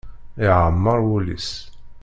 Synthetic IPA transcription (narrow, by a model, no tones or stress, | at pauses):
iʕəmːəɾˤwulḭs